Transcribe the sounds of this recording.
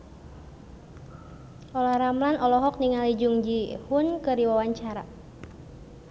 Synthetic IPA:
ʔɔlahɾamlanʔɔlɔɦɔk̚niŋalid͡ʒuŋd͡ʒihʊnkərdiwawaɲt͡ʃaɾa

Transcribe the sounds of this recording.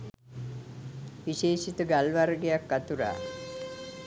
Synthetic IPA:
ʋiʃeːʃit̪əɡalʋaɾəɡejakːat̪uɾa̰ː

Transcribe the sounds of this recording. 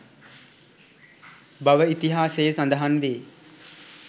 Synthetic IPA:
baʋəit̪iɦaːsejsand̪əɦanʋeː

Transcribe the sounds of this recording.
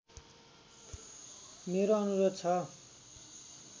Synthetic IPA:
meɾoʌnuɾot̪̚t͡sʰʌ

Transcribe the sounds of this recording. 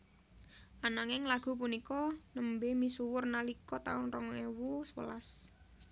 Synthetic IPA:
ʔanaŋɪŋlaɡ̥ṳp̬unikɔnəmbemisuwʊrnalikɔt̪a̰ʊnrɔŋewuswə̰las

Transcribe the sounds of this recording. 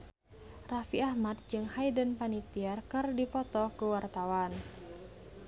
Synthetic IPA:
rafiahmat̪̚d͡ʒɨŋhaidənpanit̪iarkɨrdipɔt̪ɔkuwart̪awan

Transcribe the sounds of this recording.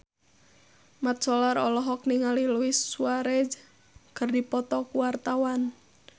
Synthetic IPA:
mat̪̚sɔlaɾɔlɔɦɔk̚niŋaliluwɪsːuaɾɛd͡ʒ | kərdipɔt̪ɔkuwart̪awan

